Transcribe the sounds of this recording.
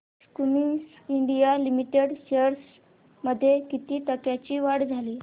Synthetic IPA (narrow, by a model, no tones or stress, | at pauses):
skumiŋs | iɳɖijalimiʈeɽɕeɾs | məd̪ʱːjekit̪iːt̪əkjat͡ɕiːʋaɽd͡zʱaliː